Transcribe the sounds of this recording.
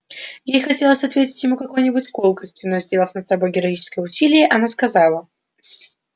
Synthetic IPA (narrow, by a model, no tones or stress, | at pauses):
jejxɐtʲe̞lˠəsʲɐt̪vʲetʲɪ̥tʲjɪmukɐko̞jnʲɪbʊtʲko̞lˠkəsʲtʲɪʊnojzʲdʲe̞lˠəfnət̪sɐbo̞jɡʲɪɾɐit͡ɕɪ̥skəjəʊsʲilʲɪjəʔɐnaskɐzɑlˠə